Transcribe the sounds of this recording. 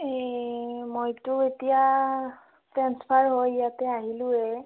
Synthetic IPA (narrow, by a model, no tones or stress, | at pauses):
ɛ | mojtʊetija | tɹanspʰaɹɦojjatɛaɦilʊ̃ɛ